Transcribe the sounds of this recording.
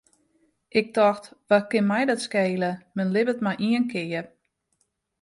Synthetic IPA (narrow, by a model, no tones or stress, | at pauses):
ʔɪk̚tɔxtʋakɪnmɛjdɔtskeːləmənlɪbətmajʔiənkʰɪjə